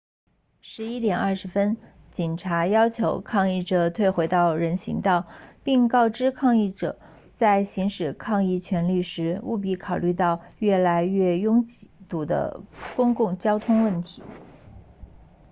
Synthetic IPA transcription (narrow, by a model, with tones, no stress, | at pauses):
ʂɻ̩˧˥i˥t̪jɛ˨˩nɐ˥˩ʂɻ̩˧˥fə˥n | t͡ɕi˨˩nʈ͡ʂʰa˧˥jɑ˥ʊt͡ɕʰjo˧˥ʊkʰɑ˥˧ŋi˥˩ʈ͡ʂɤ˨˩t̪ʰwe˥˩ɪxwe˧˥ɪt̪ɑ˥˩ʊɻə˧˥nɕḭ˧˥ŋt̪ɑ˥˩ʊpi˥˧ŋkɑ˥˩ʊʈ͡ʂɻ̩˥kʰɑ˥˧ŋi˥˩ʈ͡ʂɤ̰˨˩˦ | t͡sa˥˩ɪɕi˧˥ŋʂɻ̩˨˩kʰɑ˥˧ŋi˥˩t͡ɕʰɥɛ˧˥nli˥˩ʂɻ̩˧˥ṵ˥˧p̬i˧˥˩kʰɑ˨˩ʊly˥˧t̪ɑ˥˧ʊɥɛ˥˩la˧˥ɪɥɛ˥˩jʊ˥ŋt͡ɕt̪u˨˩d̪ə̰˦kʊ˥ŋkʊ˥˩ŋt͡ɕjɑ˥ʊt̪ʰʊ˥ŋwə˥˩nt̪ʰi̥˧˥